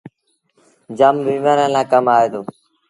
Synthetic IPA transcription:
d͡ʒəmbiːmaːnə̃ːlãːkəmaːeːd̪oː

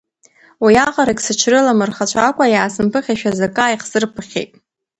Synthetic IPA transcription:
wijaqʼaɾakʲʼsɨt͡ʃʷʰrɨlamɨrχat͡ʃʷʰakʷʼajaːsɨmpʰɨχʲaʃᶣazakʼaːjqsɨrpʰɨχʲejtʼ

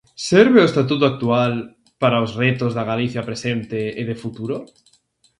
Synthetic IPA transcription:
seɾβeoest̪at̪̬ut̪̬oak̚t̪ual | paɾaozret̪ozðaɣaliθjapɾesent̪eːðefut̪uɾo

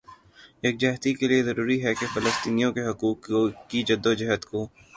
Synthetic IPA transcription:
eːk̚d͡ʒɛɦt̪ikeliezɐɾuːɾiɦɛkefɪləst̪iːnijõkeɦɐkuːkːid͡ʒɐd̪ːod͡ʒɐɦət̪koː

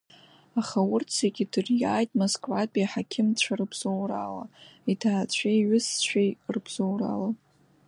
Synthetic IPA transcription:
aχawʊrt͡sʰeɡʲidɨrjaːjtʼmoskʼvapʼiħakʲʰɪmt͡ɕʷʰarɨbz̥owrala̰itʰaːt͡ɕʷʰejɥʏst͡ɕʷʰᶣejrbz̥owra̰la

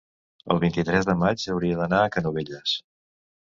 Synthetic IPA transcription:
ə̰lˠβint̪it̪ɾɛzðəmad͡ʒəwɾiəðənaəkənuβeʎəs

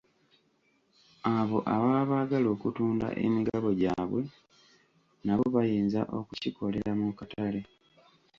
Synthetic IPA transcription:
aβo̞ʔaβaːβaːɡalo̞ːkutuːnda̰ʔe̞̰miɡaβo̞ɟaːβwe̞ | naβoβajiːnzaʔo̞kuciko̞le̞ɾamukatʰale̞

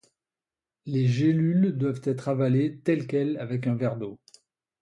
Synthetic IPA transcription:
leʒelyld̪wavt̪ɛt̪χavalet̪ɛlkʲɛlavɛk̬ɛ̃vɛʁd̪o

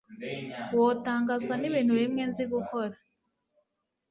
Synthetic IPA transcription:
woːtaːŋɡaːzɡwaniβiːn̥huβimŋenziɡukoɾa

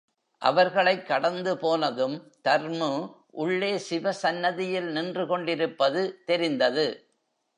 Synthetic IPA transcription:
ʔɐ̰ʋɐɾɣɐɭɐɪkːɐɽɐnd̪ɯpoːnɐðɯmt̪ɐɾmɯ | ʔʊɭːeːsɪʋɐsɐnːɐðɪjɪlnɪndrɯkɔɳɖɪɾɯpːɐðɯt̪ɛɾɪnd̪ɐðɯ

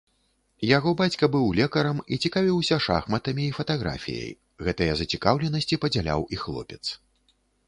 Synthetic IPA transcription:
jaɣɔbat͡sʲkɐbɨwlʲɛkɐɾɐmit͡sʲikavʲiwsʲɐʂa̰xmɐt̪ɐmʲiːfɐt̪aɣɾa̰fʲḭjɐ̰j | ɣɛt̪ɐjɐzɐt͡sʲikawlʲɛnɐsʲt͡sʲipɐd͡zʲalʲa̰wixlˠɔ̰pʲɛt̪s

